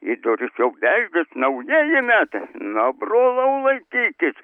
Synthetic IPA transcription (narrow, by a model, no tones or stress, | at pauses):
id̪oːɾʲɪsjɛwbʲæʒʲɡʲɛsnɐʊjeːjɪmʲæt̪nɐbroːlˠɐwlˠɐɪkʲiːkʲɪs